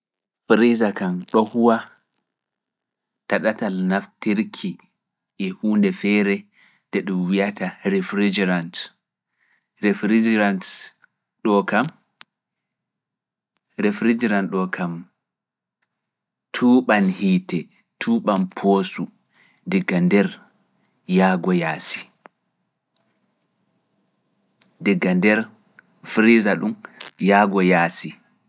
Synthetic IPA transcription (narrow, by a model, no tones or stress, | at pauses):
fɾizakanɗɔhuwa | taɗatalnaftiɾkʰi | ʔɛhuːndɛfɛɾɛ | d̥ɛɗumwijataɾɛfɾid͡ʒɾant | ɾɛfɾid͡ʒɾant | ɗɔkam | ɾɛfɾid͡ʒiɾanɗɔkʰam | tʰuːɓanhitɛ | tʰuːɓanpʰosu | dɛɡːandɛɾ | jaːɡɔjaːsi̥ | dɛɡːandɛɾ | fɾizaɗumjaːɡɔjaːsi